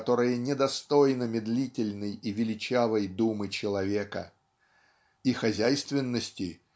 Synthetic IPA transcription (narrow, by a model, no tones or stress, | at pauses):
t̪o̞ɾɨjənʲɪd̪ɐst̪o̞jnəmʲɪd̪lʲitʲɪlʲnɨjivʲɪlʲɪt͡ɕavəjd̪umɨt͡ɕɪlˠɐvʲekə̰ | ixɐzʲæjst̪vʲɪnːəsʲtʲɪ